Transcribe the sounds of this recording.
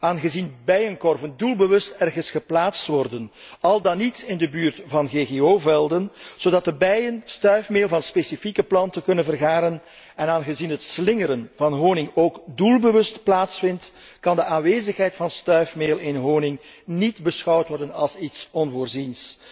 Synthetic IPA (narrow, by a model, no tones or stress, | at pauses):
aːnɣəzinbɛjənkɔrvəndulˠbəʋɵstɛrɣənsχəplaːtstʋɔrdən | ɑlˠdɑnitɪndəbyːrtvɑnɣeːɣeoːvɛlˠdənz̥odɑt̚dəbɛjənstœɥfmeːlˠvɑnspesifikəplɑntəkɵnənvərɣaːɾən | ɛnaːnɣəzinɦətslɪŋəɾənvɑnɦoːwnɪŋoːɡdulˠbəʋɵstplaːtsfɪnt | kɑndəʔaːnʋeːzəxɦɛjtfɑnstœɥfmeːlˠɪnɦoːnɪŋ | nidbəsxɑwtʋɔrdənɑ̰lˠsitsɔnvoːrzins